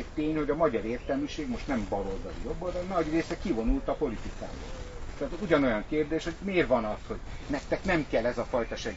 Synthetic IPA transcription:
ct̪eːɲho̞ɟɒmɒɟɒɾeːrt̪ɛlmiʃeːɡmo̞ʃt̪nɛmbɒɾo̞lzɒd̪ijobːold̪ɛnɒɟreːsɛkivo̞nult̪ɒpo̞lit̪ika̰ːmbɒ̰lt̪ɛːt̪uɟɒno̞jɒŋkeːrd̪eːʃhoɟmeːrvɒnɒsho̞ɟmɛkt̪ːɛknɛmkɛlːɛzɒfɒjt̪ɒʃɛɡ

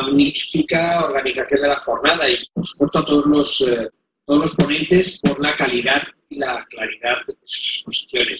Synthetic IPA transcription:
aɣnifikaoɾɣaniθaθjo̞nd̪elaxo̞ɾnað̞aipoɾsu̥pwe̞st̪oat̪oðozlo̞s | t̪oðo̞zlo̞spo̞nẽ̞nt̪e̞spo̞ɾlakaliðað | ilaklaɾiðaðdeðesu̥se̥spo̞si̥θjo̞ne̞s

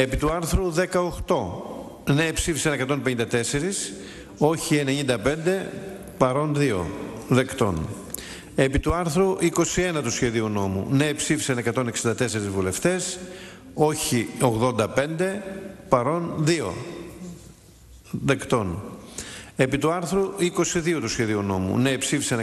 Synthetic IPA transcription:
e̞pit̪uɐɾθɾuðekɐoxt̪o̞ | neːpsifi̥sɐne̞kɐt̪o̞npe̞ɲind̪ɐt̪e̞se̞ɾis | o̞çie̞neɲind̪ɐpe̞nd̪e̞ | pɐɾo̞nðio̞̰ðe̞kt̪o̞̰n | e̞pit̪uɐɾθɾuʔiko̞sie̞nɐt̪usçe̞ðiuno̞mṵneːpsifi̥sɐnekɐt̪o̞ne̞ksind̪ɐt̪e̞se̞ɾizvule̞ft̪e̞s | o̞çio̞ɣðo̞nd̪ɐpe̞nd̪e̞pɐɾo̞nðio̞̰ | ðe̞kt̪o̞n | e̞pit̪uɐɾθɾuiko̞siðio̞t̪usçe̞ðiuno̞mṵnepsifisɐn

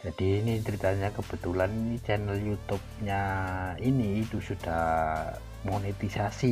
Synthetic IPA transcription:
d͡ʒad̥iːnit͡ʃəɾit̪aɲakəb̥ət̪ulaninit͡ʃɛnəljut̪ʊp̚ɲainiːt̪usud̥ah | monet̪isasi

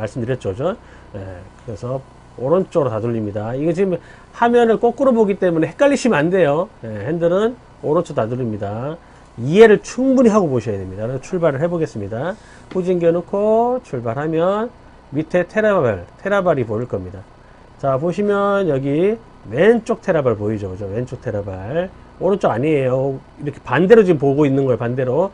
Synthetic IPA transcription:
maɭs͈ɯmdɯɾjʌt̚t͡ɕ͈ot͡ɕon | jḛkɯɾesʰʌ | oɾʌnt͡ɕ͈oɾotaduʎːimɲidaiɡet͡ɕiɯm | hamjʌnɯnk͈ok͈ɯɾoboɡit͈e̞mune̞he̞k͈aʎːiɕʰimande̞joje̞hendɯɾɯn | oɾʌnt͡ɕʰotaduʎːimɲida | iɦe̞ɾɯɭt͡ɕʰuŋbuɲiɦaɡopoɕʰʌjademɲidakɯɾʌet͡ɕʰuɭbaɾɯɭɦe̞boɡe̞s͈ɯmɲida | ɸud͡ʑinɡenokʰot͡ɕʰuɭbaɾhamjʌn | mitʰe̞tʰe̞ɾabaɭtʰe̞ɾabaɾipoɾɯɭk͈ʌmɲida | t͡ɕapoɕʰimjʌnjʌɡi | we̞nt͡ɕ͈ok̚tʰe̞ɾabaɭpoid͡ʑokɯd͡ʑowe̞nt͡ɕ͈ok̚tʰe̞ɾabaɭ | ʌɾʌt͡ɕ͈oɡaɲiejo | iɾʌkʰe̞̥pande̞ɾod͡ʑimpoɡoinːɯnɡʌjopande̞ɾo

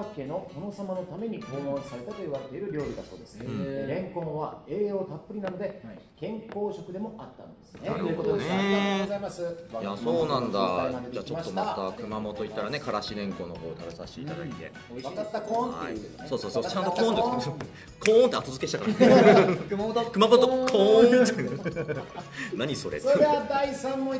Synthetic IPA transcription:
akːe̞no̞k̪ʰano̞samano̞t̪ame̞ɲ̟iko̞ːõɰ̃saɾe̞t̪at̪oiβaɾet̪ːeɾɯ̟ɾʲo̞ːɾʲɯ̟d̪aso̞ːd̪esɨ̥eɾẽ̞ŋkõɰ̃βae̞ːjoːt̪apːɯ̟ɾʲinano̞d̪e̞ | kẽ̞ŋko̞ːɕo̞kɯ̟d̪e̞mo̞ʔat̪ːanod̪e̞̥sɨneokot̪oesezaimasɨjaso̞ːnãnd̪aaed͡ʑaːt͡ɕot̪ːomat̪akɯ̟mamo̞t̪o̞it̪ːaɾane̞kaɾaɕinẽ̞ŋko̞ːnoko̞̰ːt̪abesaɕt̪ḛḭt̪ad̪a̰it̪e̞̰ | at̪ːakõa̰ḭso̞ːsoːsoːt͡ɕãnt̪ok̪õːneso | kʰõːõnt̪e̞at̪o̞zɨ̥kei̥t̪akaɾ | kɯmaot̪okɯ̟mamot̪okʰõ | naɲ̟iso̞ɾesoɾed̪ead̪aisãmːo

